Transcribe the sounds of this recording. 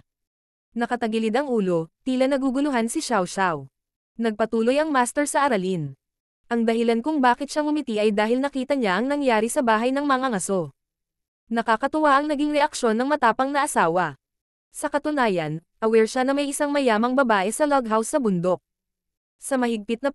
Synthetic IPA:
nɐkɐt̪ɐɡɪlɪd̪ɐŋʔuːlo̞t̪iːlɐnɐɡuɡʊlʊɦansɪʃawʃaw | nɐɡ̚pɐt̪uːlo̞jɐŋmaːst̪ɛɹsɐʔɐɾɐlin | ʔɐŋd̪ɐɦɪlankʊŋbaːkɪt̪ʃaŋmʊmɪt̪iʔɐjd̪aːɦɪlnɐkiːt̪ɐɲaʔɐŋnɐŋjaːɾisɐbaːɦɐjnɐŋmɐŋaŋɐso̞ | nɐkakɐt̪ʊwaʔɐŋnɐɡiŋɾɛʔɐkʃo̞nːɐŋmɐt̪aːpɐŋnɐʔɐsaːwɐ | sɐkɐt̪ʊnaːjɐnʔɐwɛɹʃanɐmɐjʔɪsaŋmɐjaːmɐŋbɐbaːʔɛsɐloɡ̚ɦawsːɐbʊnd̪o̞k̚ | sɐmɐhɪɡ̚pɪt̪̚nɐ

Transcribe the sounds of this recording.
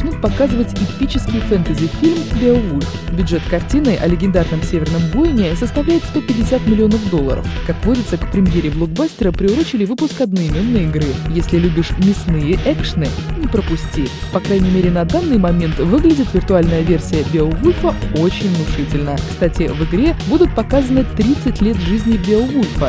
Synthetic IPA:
nut̪̚pɐkazɨvətʲɪpʲit͡ɕɪskʲɪjɪfɛnt̪əzʲɪfʲilʲmbʲevulʲf | bʲʊdʐɛt̪kɐrtʲinɨʔɐ̰lʲɪɡʲɪnd̪arnəmsʲevʲɪrnəmbojɪnʲɪsəst̪ɐvlʲæjɪt̪st̪o̞pʲɪdʲɪsʲat̪mʲɪlʲɪo̞nəfd̪o̞lˠːə̰ɾə̰fkakvvo̞dʲɪt̪səkpɾʲɪmjeɾʲɪblˠoɡ̚basʲtʲɪɾəpɾʲɪʊɾot͡ɕɪlʲɪvɨpʊskɐd̪nəɪmʲenːɨjəɪɡɾɨjesʲlʲɪlʲubʲɪʂmʲɪsnɨjəʔɛkʂɨnɨnʲɪpɾəpʊsʲtʲipɐkɾajnʲɪmʲeɾʲɪnɐd̪anːɨjmɐmʲe̞nt̪vɨɡlʲɪdʲɪt̪vʲɪrt̪ʊalʲnəjəvʲe̞rsʲɪjəbʲeovulʲfəo̞t͡ɕɪnʲvnʊʂɨtʲɪlʲnəkst̪atʲɪvɨɡɾʲe̞bud̪ʊt̪̚pɐkazənɨt̪ɾʲit̪sɨtʲlʲe̞t̪ʐɨzʲnʲɪbʲɪvulʲfə

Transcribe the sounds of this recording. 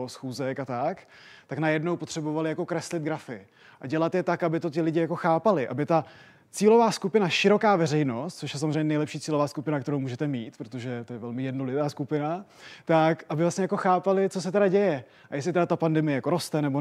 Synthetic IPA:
osxuːzɛkat̪akt̪aknajɛdnowpo̞t̪r̥ɛbo̞valɪjako̞kɾɛslɪt̪ɡɾafɪ | ʔaɟɛlat̪jɛt̪akabɪt̪o̞t̪ɪlɪɟɪjako̞xaːpalɪʔa̰bɪt̪a | t͡siːlo̞vaːskupɪnaʃɪɾo̞kaːvɛɾɛjno̞st̪̚t͡soʃjɛsamozrɛɲɛnɛjlɛpʃiːt͡siːlo̞vaːskupɪnakt̪ɛɾowmuːʒɛt̪ɛmiːt̪pɾot̪o̞ʒɛt̪ojɛvɛlmɪjɛdnolɪt̪aːskupɪnat̪akʔabɪvlastɲɛjako̞xaːpalɪt͡sos̬ɛt̪ɛɾaɟɛjɛ | ʔajɛs̬lɪt̪ɛdat̪apandɛmɪjɛjako̞ɾo̞st̪ɛnɛbo

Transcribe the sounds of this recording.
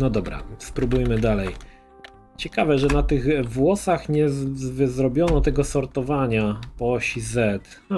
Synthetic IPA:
nɔd̪ɔbɾa̰spɾubujmɘd̪alɛj | t͡ɕɛkavɛʐɛnat̪ɘɣvwɔsaxɲɛzvɘzɾɔbʲjɔnɔt̪ɛɡɔsɔɾt̪ɔvaɲapɔɕizɛt̪

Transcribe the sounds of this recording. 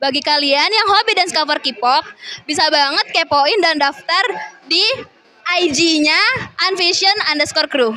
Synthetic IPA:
baɡikalianjaŋɦobidanskafərkipɔk̚bis̬abaŋət̪̚kepoɪndandaft̪ardi | ʔajd͡ʒiɲaʔːnfiʃiənandəskɔrkɾu

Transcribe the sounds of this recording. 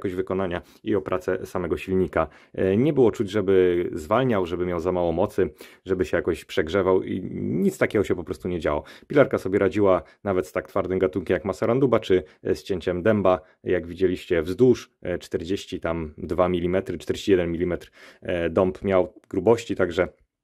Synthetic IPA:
kɔʑvɘkɔnaɲa | iɔpɾʔat̪sɛsamɛɡɔɕilɲika | ɲɛbɘwɔt͡ʂud͡ʑʐɛbɘzvalɲawʐɛbɘmʲjawzamawɔmɔt̪sɘʐɛbɘɕɛjakɔɕpʂɛɡʐɛvawʔḭɲit̪st̪akʲɛɡɔɕɛpɔpɾɔst̪uɲɛd͡ʑawɔpʲilaɾkasɔbʲjɛɾad͡ʑiwanavɛt̪st̪ak̚t̪faɾd̪ɘmɡat̪uŋkʲɛmjakmasaɾand̪ubat͡ʂɘst͡ɕeɲt͡ɕɛmd̪ɛmba | jaɡvʲid͡ʑelʲiɕt͡ɕɛvzd̪uʂ | t͡ʂt̪ɛɾd͡ʑeɕt͡ɕit̪amd̪vamʲilʲimɛt̪ɾɘt͡ʂt̪ɛɾd͡ʑe̥ɕt͡ɕijɛd̪ɛnmʲilʲimɛt̪ɾd̪ɔmpmʲjawɡɾubɔɕt͡ɕit̪aɡʐɛ

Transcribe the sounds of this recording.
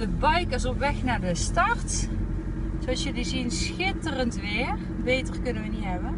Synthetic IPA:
dəbɑjkɪsɔpʋɛxnaːɹdəstɑrt | soɑsjədizinsxɪtərəntʋɪːər | bejtərkɵnəʋəniɦɛbə

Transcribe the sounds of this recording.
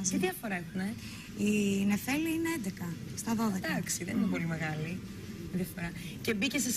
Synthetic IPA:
iðjɐfo̞ɾɐune | ine̞fe̞liineend̪ekɐst̪ɐðo̞ðekd̪ɐksiðeninepo̞limeɣɐli | ðjɐfo̞ɾɐ | ce̞biceses

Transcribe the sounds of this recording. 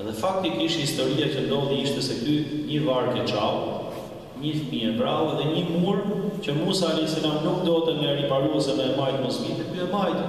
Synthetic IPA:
ɛðɛfak̚t̪ikiʃthist̪ɔɾiacənd̪ɔliiʃt̪ɛsɛkyɲəvaɾkɛt͡ʃal | ɲəfmiɛbɾawɛðɛɲəmuɾcəmusalisɛlanukd̪ɔt̪ɛŋɡaɾipaɾuɛsɛmɛːmajt̪mɔsmit̪ɛkyɛmajt̪

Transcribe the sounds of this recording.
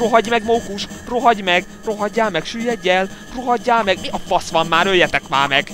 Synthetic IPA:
roɦɒɟmɛɡmoːkuʃroɦɒɟmɛɡ | roɦɒɟːaːlmɛɡʃyjːɛɟːɛl | roɦɒɟːaːlmɛɡiɒp̪fɒsʋɒmːaːɾøjːɛt̪ɛkmaːmɛɡ̥

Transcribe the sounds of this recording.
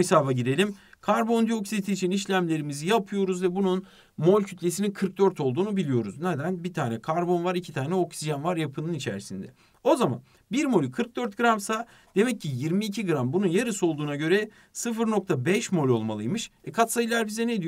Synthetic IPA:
saːbaɟid̪e̞lʲimkʰaɾbo̞nd̪ioksit̪ʰiːt͡ʃʰiniʃlʲæmlʲe̞ɾimizijapʰɯjo̞ɾuzvɛbunun | mo̞lʲcʰyt̪lʲe̞s̬ininkʰɯɾk̚d̪ø̞ɾt̪ʰo̞lˠd̪uːnubilʲijo̞ɾuznɛd̪ænbit̪ʰaːnɛkʰaɾbo̞nvaɾicʰi̥t̪ʰaːnɛo̞ksiʒanvaɾjapʰɯnɯnit͡ʃʰæ̰ɾsind̪ɛ̰ | o̞zama̰n | biɾmo̞lʲkʰɯɾk̚d̪ø̞ɾt̪̚ɡɯɾamsa | d̪̥e̞mɛc̚ʰːijiɾmiːcʰiɡɯɾambununjaɾɯso̞lˠd̪uːnaɟø̞ɾɛ | sɯfɯɾno̞kt̪ʰabɛʃmo̞lʲo̞lˠma̰lˠɯjmɯʃɛkʰat̪sajɯlˠaɾbizɛned̪ij

